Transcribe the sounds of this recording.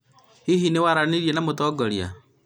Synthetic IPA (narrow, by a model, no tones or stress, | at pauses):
hiɦinewaɾaniɾjɛnamot̪ɔɡɔɾja̰